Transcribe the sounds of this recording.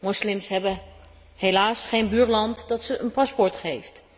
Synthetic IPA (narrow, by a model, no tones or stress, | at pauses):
mɔslɪmsɦɛbə | hejlaːsχejnbyːɹlɑntdɑtsəʔənpɑspɔɹtχejft